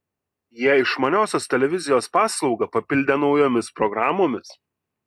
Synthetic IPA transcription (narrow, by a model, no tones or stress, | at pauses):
jiɛɪʃmɐnʲoːsʲoːst̪ʲɛlʲɛʋʲɪzʲɪjoːspɑːslˠɒʊɡɐpɐpʲɪlʲd̪ʲɛnɒʊjoːmʲɪspɾɔɡɾɑːmoːmʲɪs